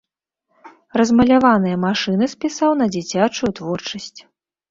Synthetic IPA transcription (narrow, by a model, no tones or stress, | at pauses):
rɐzmɐlʲavanɨjɐmaʂɨnɨspʲisawnɐd͡zʲit͡sʲat͡ʂujut̪vɔrt͡ʂɐsʲt͡sʲ